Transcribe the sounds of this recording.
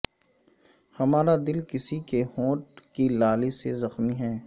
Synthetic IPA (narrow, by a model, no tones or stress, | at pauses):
hɐmaːɾad̪ɪlkɪsikehõːʈ̚kilaːlisezɐxmiɦɛː